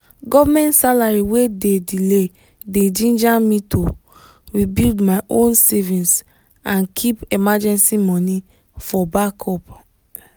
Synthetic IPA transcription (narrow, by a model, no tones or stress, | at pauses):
ɡɔvamɛ̃ntsalaɹiwededile | dedĩnd͡ʒamito | ɹibildmaɪʔõnsɛvĩns | ãnkʰipemad͡ʒɛ̃nsimɔni | fɔbakʰɔp